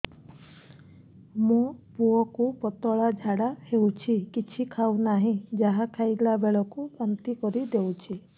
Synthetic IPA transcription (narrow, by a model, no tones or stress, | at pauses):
mũpuɔkupɔt̪ɔɭad͡ʒʱaɽahewt͡ʃʰikit͡ʃʰikʰawnaɦĩd͡ʒaɦakʰajɡlabeɭɔkupant̪ikɔɾid̪ewt͡ʃʰi